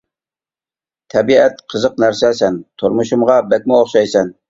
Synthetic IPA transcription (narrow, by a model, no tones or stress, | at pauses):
t̪ʰɛbiɛt̪qʰəzəq̚næɾsɛsɛnt̪ʰoɾmuʃumʁɑbɛk̚ʲmɪoχʃɑjsɛn